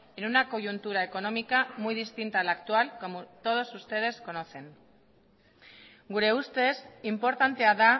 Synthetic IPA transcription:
enunako̞ʝunt̪uɾae̞ko̞no̞mikamujðist̪int̪aːlakt̪ualko̞mt̪o̞ð̞o̞sust̪e̞ð̞e̞sko̞no̞θe̞ŋ | ɡuɾe̞ust̪e̞simpo̞ɾt̪ant̪e̞aða

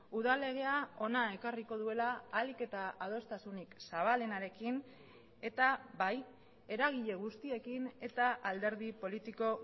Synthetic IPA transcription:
uðale̞ɣ̞e̞ao̞nae̞kariko̞ð̞ue̞laːlike̞t̪aað̞o̞st̪asuniksaβ̞ale̞naɾe̞kin | e̞t̪aβaj | e̞ɾaɣ̞iʎe̞ɣ̞ust̪ie̞kine̞t̪aʔald̪e̞ɾðipo̞lit̪iko̞

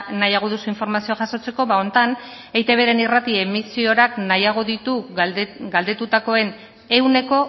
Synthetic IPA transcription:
najaɣ̞o̞ðusuiɱfo̞ɾmasio̞aʝaso̞t͡se̞ko̞βao̞nt̪an | ejt̪e̞βe̞ɾe̞nirat̪ie̞misio̞ɾaknajaɣ̞o̞ðit̪u | ɡald̪e̞t̪ut̪ako̞e̞n | e̞wne̞ko̞

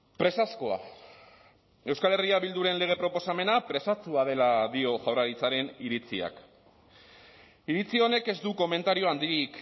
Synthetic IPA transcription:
pɾe̞sasko̞a̰ | e̞wskale̞riaβild̪uɾe̞nle̞ɣ̞e̞pɾo̞po̞same̞napɾe̞sat͡suað̞e̞laðio̞ʝawraɾit͡saɾe̞niɾit͡sia̰k | iɾit͡sio̞ne̞ke̞zd̪uko̞me̞nt̪aɾio̞and̪iɾik

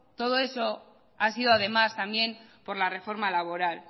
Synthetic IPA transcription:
t̪o̞ð̞o̞e̞so̞ | asið̞oað̞e̞mast̪ambje̞mpo̞ɾlare̞fo̞ɾmalaβ̞o̞ɾal

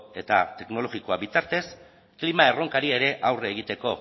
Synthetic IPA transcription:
e̞t̪a̰t̪e̞kno̞lo̞ɣikoaβit̪aɾt̪e̞s | klimae̞ro̞ŋkaɾie̞ɾe̞ʔawreːɣ̞it̪e̞ko̞

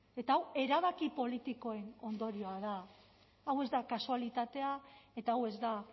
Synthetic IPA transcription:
e̞t̪aːwe̞ɾaβ̞akipo̞lit̪iko̞e̞no̞nd̪o̞ɾio̞að̞aː | we̞zd̪akasualit̪at̪e̞ae̞t̪aːwe̞zd̪a

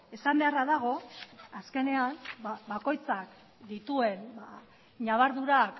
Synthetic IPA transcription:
e̞sambe̞araðaɣ̞o̞aske̞ne̞anabako̞jt͡sak | d̪it̪ue̞nba | ɲaβaɾðuɾak

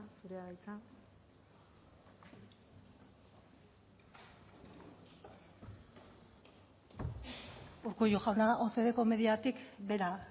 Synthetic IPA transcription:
suɾeaɣajt͡sa | uɾkujuʝawnaose̞ð̞e̞ko̞me̞ðiat̪ikbe̞ɾa

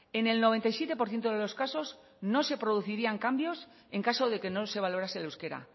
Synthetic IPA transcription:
e̞ne̞lno̞β̞e̞nt̪ajsje̞t̪e̞po̞ɾθje̞nt̪oðe̞lo̞skaso̞z | no̞se̞pɾo̞ð̞uθiɾiaŋkambjo̞s | e̞ŋkasoðe̞ke̞no̞se̞β̞alo̞ɾaselawske̞ɾa̰

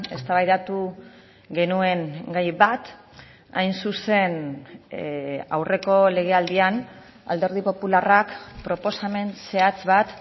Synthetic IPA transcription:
e̞st̪aβajðat̪u | ɡe̞nue̞ŋɡajβat̪ | a̰jnsuse̞n | a̰wre̞ko̞le̞ɣ̞e̞ald̪ian | a̰ld̪e̞ɾð̞ipo̞pularakpɾo̞po̞same̞nse̞at͡sβat̪

